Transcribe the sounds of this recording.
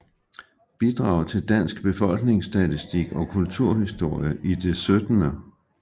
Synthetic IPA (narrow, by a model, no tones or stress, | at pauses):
b̥id̥ʁɑ̈ʊt͡sʰe̝ld̥æn̰sɡ̥b̥e̝fɒ̽l̰ɡ̥ne̝ŋsd̥æt͡sisd̥iɡ̥ɒ̽kʰult͡sʰuɐ̰hisd̥o̝ɐ̰jəʔid̥e̝sød̥nə